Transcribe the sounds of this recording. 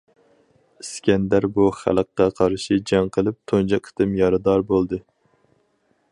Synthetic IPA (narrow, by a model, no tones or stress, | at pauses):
skʲɛnd̪æɾbuχæ̰lˠəqːɑqʰɑɾʃid͡ʒɑŋqʰəlˠɨp̚t̪ʰond͡ʒɑkʰə̥t̪ʰɨmjɑɾɨd̪ɑɾbolˠd̪ɨ